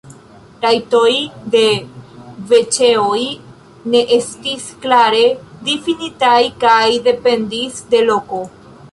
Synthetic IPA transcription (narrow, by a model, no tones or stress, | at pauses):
ɾajto̞jde̞ | ve̞t͡ʃe̞oj | ne̞ʔe̞stisklaɾe̞difinitajkajde̞pe̞ndisde̞lo̞ko̞